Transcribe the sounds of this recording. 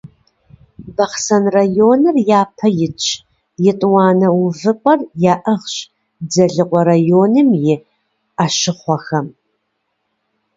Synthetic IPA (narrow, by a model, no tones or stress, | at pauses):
bɐχsɐnrajoːnɨrjaːpʰɐjɪt͡ʃʼʰ | jɪtʼwɑːnɐwuʊvɨqʷʼɐrjaːʔɐʁɕ | d͡zɐɮɨqʷʼɔɾajoːnɨmjɪ | aʃɪχʷɔxɐm